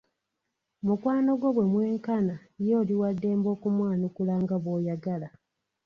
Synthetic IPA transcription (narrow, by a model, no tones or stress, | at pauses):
mukwaːno̞ɡwo̞βwe̞mwe̞ːŋkanajo̞ːliwadːe̞ːmbo̞ːkumwaːnukulaːŋɡaβwo̞ːjaɡala